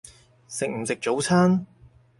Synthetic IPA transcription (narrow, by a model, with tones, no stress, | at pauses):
sɪ˨k̚m̩˨˩sɪ˨k̚t͡so˨˥wt͡sʰaː˥n